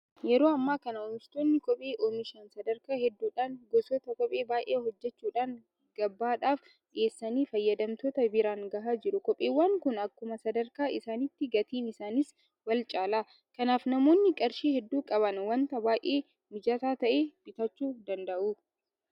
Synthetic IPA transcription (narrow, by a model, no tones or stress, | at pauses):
jɛɾoːɐmːaːkɐnɐoːmɪst̪oːnːɪkʼɔpʼeːʔoːmɪʃɐnsɐd̪ɐɾkaːhɛd̪ːuːᶑaːŋɡɔsoːt̪ɐkɔpʼe̞ːbaːʔeːhɔd͡ʒːɛt͡ʃːuːᶑaːŋ | ɡ̥ɐbːaːᶑaːf | ᶑɪeːsːɐniːfɐjːɐd̪ɐmt̪oːt̪ɐbɪɾaːŋɡɐɦaːd͡ʒɪɾʊkɔpʼːeːwːaːŋkʊnɐkːʊmɐsɐd̪ɐɾkaːʔɪsaːnɪt̪ːɪɡɐt̪iːnɪsaːnɪs | wɐlt͡ʃʼaːlaː | kɐnaːfnɐmo̞ːnːɪkʼɐɾʃiːhɛd̪ːuːkʼɐbɐnwɐnt̪ɐbaːjʔeː | mɪd͡ʒat̪aːt̪ɐʔeːb̥ɪt̪ɐt͡ʃːuːd̪ɐnd̪ɐʔuː